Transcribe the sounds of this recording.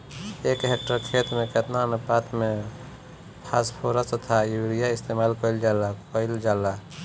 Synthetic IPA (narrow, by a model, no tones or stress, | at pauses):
ekɦek̚ʈəɾkʰeːt̪ɾmẽket̪nanəpaːt̪mẽ | pʰaːspʰoɾəst̪t̪ʰajuɾijaɪst̪emaːlkɔɪld͡ʒaːlakəɪld͡ʒaːla